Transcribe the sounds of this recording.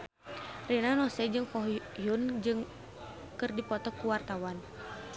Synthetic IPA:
rɛnanɔsɛd͡ʒɨŋkɔɦjund͡ʒɨŋ | kɨrdipɔt̪ɔkːuwart̪awan

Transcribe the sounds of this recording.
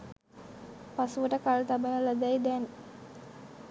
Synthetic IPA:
pasuʋəʈəkalt̪abənələd̪ajd̪ɛn

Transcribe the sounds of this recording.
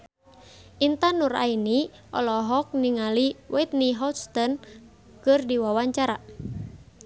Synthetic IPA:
ʔint̪anuɾa̰ini | ʔɔ̰lɔɦɔk̚niŋaliwʔɛt̪̚niɦɔst̪ɔn | kɨrdiwawaɲt͡ʃaɾa

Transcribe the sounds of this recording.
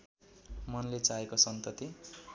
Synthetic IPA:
mʌnlet͡saekosʌnt̪ʌt̪i

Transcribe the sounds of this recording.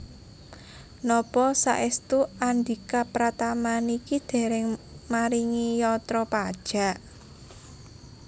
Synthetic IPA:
nɔpɔsa̰ʔɪst̪uand̪ikapɾat̪amanikid̪̥e̤ɾɪŋmaɾiŋijɔt̪ɾɔpad̥ʒ̥a̤ʔ

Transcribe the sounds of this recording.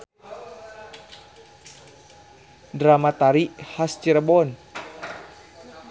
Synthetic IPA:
dɾamat̪aɾihast͡ʃiɾəbɔn

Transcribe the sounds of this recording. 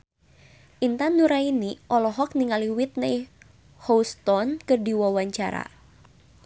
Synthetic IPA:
ʔint̪anuɾainiʔɔlɔɦɔk̚niŋaliwit̪̚naj | hɔwst̪ɔnkɨrdiwawaɲt͡ʃa̰ɾa̰

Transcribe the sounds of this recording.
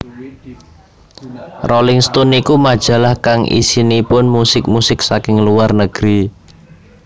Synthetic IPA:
rolɪŋst̪ɔnikumad̥ʒ̥a̤lahkaŋʔḭsinipʊnmusɪk̚musɪk̚sakɪŋluarnəɡ̥ɾi

